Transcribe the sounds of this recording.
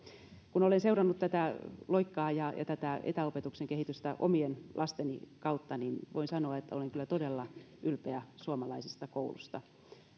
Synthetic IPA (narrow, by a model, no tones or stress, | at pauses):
kunolenseurɑnːut̪t̪æt̪æloikːɑːjɑjɑ̰t̪æt̪æḛt̪æopet̪ukseŋkehit̪yst̪æʔo̰mienlʔɑst̪enḭkɑut̪ːɑninʋo̰insɑnoɑet̪ːæoleŋkylːæt̪odelːɑ | ʔylpeæsuomɑlɑisist̪ɑkoulṵst̪ɑ